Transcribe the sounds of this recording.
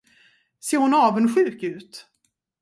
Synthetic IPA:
seːɾhʊnɑːvənɧʉ̟ːkʉ̟ːt̪

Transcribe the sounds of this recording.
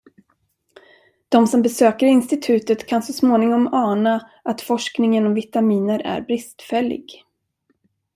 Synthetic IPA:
d̪̥ɔmsɔmbɛsøːkəɾɪnst̪ɪt̪ʰʉ̟ːt̪ət̪kʰansɔsmoːnɪŋɔmɑːna | ʔat̪fɔʂknɪŋənɔmvɪt̪amiːnəɾæ̰ɾbɾɪst̪fɛlːɪ̰ɡ

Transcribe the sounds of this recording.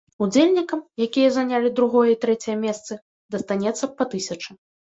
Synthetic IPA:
ud͡zʲelʲnʲikɐmjakʲijɐzɐnʲalʲid̪ɾuɣɔjɐit̪ɾɛt͡sʲɛjɐmʲɛst̪sɨ | d̪ɐst̪anʲɛt̪sːɐpɐt̪ɨsʲɐt͡ʂɨ

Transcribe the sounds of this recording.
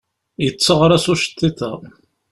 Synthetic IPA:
jət͡sːəʁɾˤæsuʃt̪ːiθə

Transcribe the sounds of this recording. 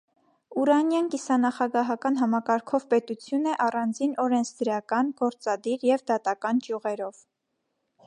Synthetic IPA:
uɾɑnjɑnkisɑnɑχɑɡɑɦɑkɑnɦɑmɑkɑɾkʰɔvpɛt̪ut͡sʰjunəʔɑrɑnd͡zinɔɾɛnt͡sʰd̪əɾɑkɑnɡ̥ɔɾt͡sɑd̪iɾjɛvd̪ɑt̪ɑkɑnd͡ʒjuʁɛɾɔv̥

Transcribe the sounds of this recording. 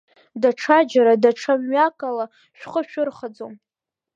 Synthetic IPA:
daʈ͡ʂʰad͡ʒaɾadaʈ͡ʂʰamɥakʼala | ʃᶣχəʃᶣʊrχad͡zom

